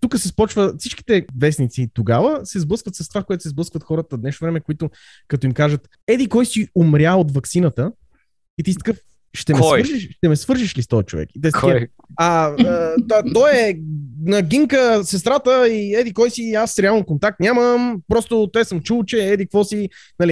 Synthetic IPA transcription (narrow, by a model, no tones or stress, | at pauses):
t̪ukəsɛspɔt͡ʃvəfsit͡ʃki̥t̪ɛvɛsnit̪sit̪oɡavəsɛzblɤskvət̪sɐst̪o̥vakojɛt̪ʊ̥sɛzblˠəskvət̪xɔɾət̪əd̪nɛʃnovɾɛmɛkoit̪ʊ | kɐt̪ɔimkaʒət̪ | ɛd̪ikɔjsiʊmɾʲjaot̪vɐksinət̪ə | it̪ist̪ə̥kəf | ʃt̪ɛmɛsɾʒiʃʃt̪ɛmɛsvɤɾʒiʃlist̪ɔjɛt͡ʃo̰vɛ̰kit̪ɛst | ɐ | t̪ot̪ɔɛnɐɡiŋkəsɛst̪ɾat̪əiɛd̪ikɔjsiasɾɛalˠnkont̪ak̚t̪nʲaməmpɾɔst̪ot̪ɛsəmt͡ʃulˠt͡ʃɛɛd̪ikvɔsinɐli